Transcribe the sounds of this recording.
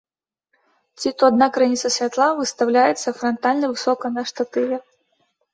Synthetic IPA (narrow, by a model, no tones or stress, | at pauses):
t͡sʲit̪ɔad̪nakɾajnʲit̪sɐsʲvʲat̪lˠavɨst̪awlʲajɛt̪sːɐfɾɐnt̪alʲnɐvɨsɔkɐnɐʂt̪at̪ɨvʲɛ